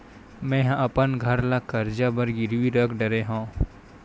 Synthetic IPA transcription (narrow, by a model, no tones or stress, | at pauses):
mɛ̃ːɦɐpənɡʱəɾlakɐɾd͡ʒabəɾɡɪɾwiɾəkʰɖəɾeɦõː